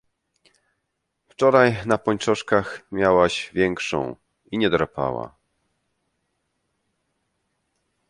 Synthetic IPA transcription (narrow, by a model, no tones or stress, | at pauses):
ft͡ʂɔɾajnapɔɲt͡ʂɔʂkaxmʲjawaʑvʲjɛŋkʂɔ̰̃w̃ | iɲɛd̪ɾapa̰wa̰